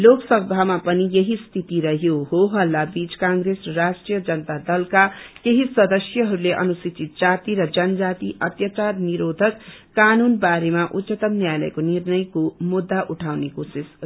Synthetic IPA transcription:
loksʌɡ̚d̪ʱamapʌnijeɦist̪ʰit̪iɾʌɦjoɦoɦʌlːabit͡skãŋɡɾesʌrasʈrijʌd͡zʌnʌt̪ad̪ʌlkakeɦisʌd̪ʌsjʌɦʌɾuleʔʌ̰nusit͡sit̪̚d͡zat̪iɾʌd͡zʌnʌd͡zat̪iʔʌt̪jat͡sarniɾod̪ʱʌkː | anunbaɾemaʔut̪t͡ʃʌt̪ʌmnjajlʌ̰jkonirnʌjkomud̪ːaʔuʈʰawnekosis

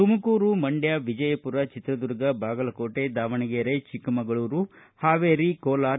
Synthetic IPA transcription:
t̪umɐkuːɾumɐɳɖjaːʋid͡ʒɐjɐpuɾɐt͡ʃit̪ɾɐd̪uɾɡɐbaːɡɐlɐkoːʈed̪aːʋɐɳiɡeɐɾet͡ʃikɐmɐɡɐɭuːɾu | haːʋeːɾikoːlaːɾ

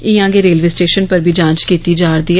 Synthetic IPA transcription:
ĩjãːɡeɾeːlʋeːsʈeːʃənpɐɾbʱid͡ʒãːnt͡ʃkiːt̪id͡ʒaːɾd̪ia

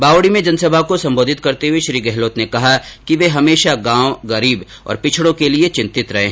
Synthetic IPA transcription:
baːʋɽimẽd͡ʒɐnsɐbʱakosɐ̃mboːd̪ʱɪt̪̚kɐɾt̪eɦweʃɾiːɡɛɦloːt̪nekɐɦakiʋeɦɐmeːʃaɡãːwɡɐɾiːb | ɔ̰ːɾpɪt͡ʃʰɽõkeliet͡ʃɪ̃nt̪ɪt̪ɾɐɦeːɦɛ̃

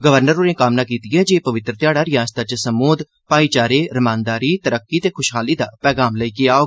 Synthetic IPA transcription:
ɡəʋəɾnəɾoːnẽːkaːmnaːkiːt̪ijɛːd͡ʒeːpəʋɪt̪ɾət̪jaːɽaːɾɪjaːst̪at͡ʃsəmoːd̪ | paːiːt͡ʃaːɾeːɾɪmãːnd̪aːɾiːt̪əɾəkːiːt̪eːkʰʊʃɦaːliːd̪aːpɛːɡaːmləiːkeaːoː

